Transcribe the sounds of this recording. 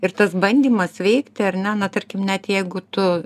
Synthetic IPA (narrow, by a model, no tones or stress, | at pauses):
ɪrt̪ɐsbɐnʲd̪ʲimɐsʋʲɛɪkt̪ʲɪɐrʲnʲɛnɐt̪ɐɾʲkʲɪmnʲɛt̪jɛɪɡʊt̪ʊ